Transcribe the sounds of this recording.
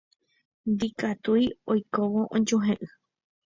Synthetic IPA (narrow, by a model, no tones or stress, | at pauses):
nd̪ikat̪ujojkoʋo̞ʔõd͡ʒuɦẽʔɨ